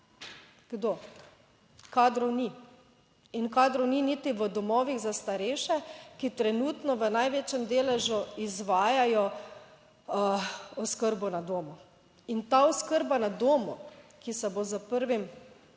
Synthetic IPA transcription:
ɡ̥d̪oː | kaːd̪ɾɔwni | inkaːd̪ɾɔwninit̪iʋəd̪ɔmɔːʋiɣzast̪aɾeːʃɛkit̪ɾɛnuːt̪nɔʋənajʋeːt͡ʃɛmd̪eːlɛʒuizʋaːjajɔ | ɔskəɾbɔnad̪oːmu | int̪aɔskəɾbanad̪oːmukisɛbozəpəɾʋim

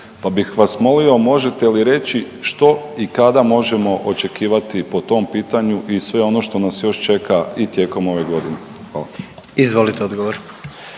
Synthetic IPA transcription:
pabixʋasmo̞lio̞mo̞ʒe̞t̪e̞liɾe̞t͡ɕi | ʃt̪o̞ikad̪amo̞ʒemo̞ʔot͡ʃe̞kiːʋat̪ipo̞t̪o̞mpiːt̪aɲuʔisʋe̞o̞no̞ʃt̪o̞nasjo̞ʃt͡ʃe̞kait̪je̞ːko̞mo̞ʋe̞ɡo̞d̪ine | xʋaːla | izʋolit̪eod̪ɡoʋoɾ

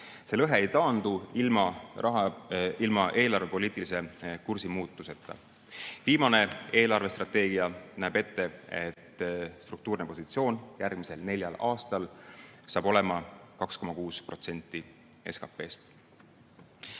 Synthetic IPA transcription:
se̞lɤɦe̞ejt̪ɑːnd̪̥uilmɑɑɦilmɑʔe̞ːlɑrve̞poliːt̪ːˑilise̞kursimuːt̪ːˑuse̞t̪ːˑɑ̰ | viːmɑne̞e̞ːlɑrve̞st̪rɑt̪ˑːe̞ːɡ̥iɑnæːbe̞t̪ːe̞e̞t̪ːst̪ruk̚t̪uːrnepo̞sit̪sio̞ːnjærɡ̥mise̞lne̞lʲjɑ̰lʔɑːst̪ɑlsɑːbo̞le̞mɑkɑksko̞mɑkuːspro̞t̪se̞nʲt̪ːi | e̞skɑpːˑe̞ːst̪

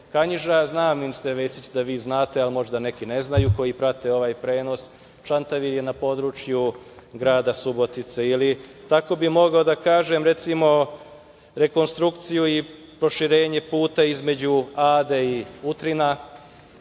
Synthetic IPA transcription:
kaɲiʒaznaːmimst̪eʋesit͡ɕd̪aʋiːznaːt̪e̞almo̞ʒd̪ane̞kine̞znajuko̞jipɾat̪e̞o̞ʋaːjpɾe̞ːno̞s | t͡ʃant̪aʋiɾje̞napo̞d̪ɾut͡ʃjuɡɾaːd̪asubo̞t̪it̪seili | t̪ako̞bimo̞ɡaod̪akaːʒe̞mɾe̞t̪simo̞ | ɾe̞ko̞nst̪ɾukt̪sijui | pɾo̞ʃiɾe̞ːɲe̞puːt̪aizme̞d͡ʑuaːd̪eiut̪ɾina

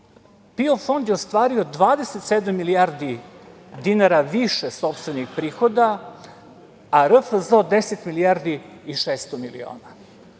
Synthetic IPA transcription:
piofo̞nd̪jeost̪ʋaːɾio̞d̪ʋaːd̪eset̪sed̪amːilijaɾd̪i | d̪inaɾaʋiʃeso̞pst̪ʋe̞nixpɾiːxo̞d̪a | ɾəfzod̪e̞set̪miliaːɾd̪iiʃeːst̪omilḭo̰ːna

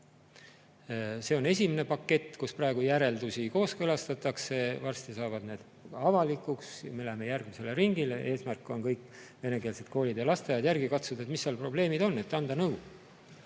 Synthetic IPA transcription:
se̞o̞ne̞sʲimene̞pɑkːe̞t̪ːkusprɑe̞ɡ̥ujæɾe̞ld̪usiko̞ːskølɑst̪ɑt̪ːˑɑkse̞vɑrst̪isɑːvɑd̪ne̞ːd̪ | ɑvɑlikːˑuksmeleme̞jærɡ̥mise̞leɾiŋɡileʔe̞ːsmærkːˑo̞nkɤjkːˑ | ve̞ne̞keːlse̞d̪̥̚ko̞ːlʲid̪jɑlɑst̪ejɑd̪jærɡ̥ikɑt̪sud̪̥et̪misːɑːlpro̞ble̞ːmid̪̥o̞nːe̞t̪ːɑnd̪ɑnɤw

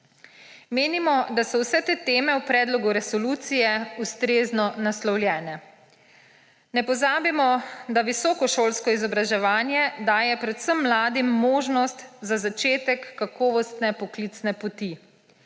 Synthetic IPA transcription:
meːnimɔd̪asɔwsɛt̪eːt̪eːmɛwpɾɛːd̪lɔɡuɾɛsɔluːt̪sijɛust̪ɾeːznɔnaslɔwlʲjɛːnɛ | nɛpɔzaːbimɔd̪aʋisɔːkɔʃoːlskɔizɔbɾaʒɛʋaːnjɛd̪aːjɛpɾɛt̪səmːlaːd̪imːoːʒnɔst̪zazat͡ʃeːt̪ɛkːakɔːʋɔst̪nɛpɔklit̪snɛpɔt̪i

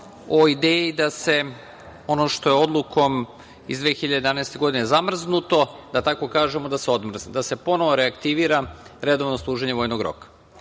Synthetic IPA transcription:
o̞id̪eːjid̪ase̞ | o̞noʃt̪o̞jeo̞d̪lˠukʰo̞m | izd̪ʋexiʎad̪ed̪anaest̪e̞ɡo̞d̪inezamr̩znut̪o̞d̪at̪ako̞kaːʒemo̞d̪aseo̞d̪mr̩zd̪ase̞po̞noʋo̞ɾeakt̪iʋiːɾaɾe̞d̪o̞ʋnoslˠuːʒeɲeʋo̞jnoɡɾo̞̰kḁ

